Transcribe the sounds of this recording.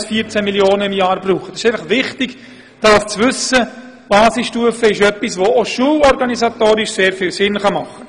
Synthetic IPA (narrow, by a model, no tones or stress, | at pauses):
sfiəɾt͡sæmiljoːnəɪmjɑːɾbruːχətɑsɪ̥ʃeɪfɑχʋɪχtɪɡ | d̥ɑːʊft͡sʋʏsə | b̥ɑːsɪsʃtuəfəɪʃœpːisʋooʃuːəlɔɾɡɑnisɑtoːɾɪʃseːɾfɪːlsɪnχɑmɑχːə